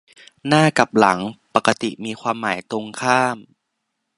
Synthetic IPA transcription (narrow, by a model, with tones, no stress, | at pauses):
naː˥˩ka˨˩p̚la˩˦ŋpa˨˩kːa˧t̪i˨˩miː˧kʰwaː˧mːaː˩˦jt̪o˧ŋkʰaː˥˩m